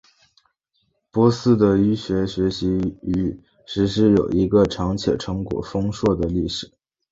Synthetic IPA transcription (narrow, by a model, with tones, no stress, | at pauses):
pwɔ˥sɹ̩˥˩d̪ə˨˩y˥ɕɥɛ˧˥ɕɥɛ˧˥ɕi˧˥y˧˥ | ʂɻ̩˧˥ʂɻ̩˧˥jo˨˩ʊi˧˥ɡə˧ʈ͡ʂʰɑ˧˥ŋt͡ɕʰjɛ̰˨˩ʈ͡ʂʰɤ˧˥ŋkwɔ̰˨˩fɤ˥ŋʂwɔ˥˩d̪ə˩li˥˩ʂɻ̩˨˩˦